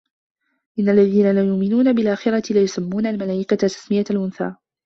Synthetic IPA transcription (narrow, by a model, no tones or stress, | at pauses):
ʔɪnːalːaðiːnalajʊʔmɪnuːnabɪlʔaːxɪɾɑt̪ɪlajʊsamːuːnalmalaːʔɪkat̪at̪ːḁsmɪjalʔʊnθa̰ː